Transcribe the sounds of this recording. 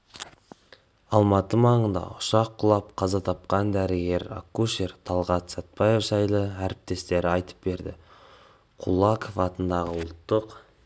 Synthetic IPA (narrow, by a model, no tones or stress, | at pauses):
ɑlˠmɑt̪əmɑɴənd̪ɑ̰ʊʃɑqʰːʊlˠɑpqʰɑzɑt̪ʰɑp̚qɑnd̪æɾɪɡʲe̞ɾa̰kːuʃeɾt̪ʰɑlˠʁɑt̪sɑt̪̚pɑje̞fʒɑjlˠəæɾɪp̚t̪e̞st̪e̞ɾɪɑjt̪ə̥p̚be̞ɾd̪ɪ̰ | qʰulˠɑkʰofɑt̪ənd̪ɑʁəwʊlˠt̪ːəq